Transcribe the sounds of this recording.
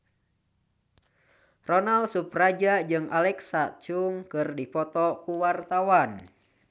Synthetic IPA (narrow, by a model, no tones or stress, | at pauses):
rɔnalsuprad͡ʒad͡ʒɨŋʔalɛksat͡ʃuŋkɨrdipɔt̪ɔkuwart̪awan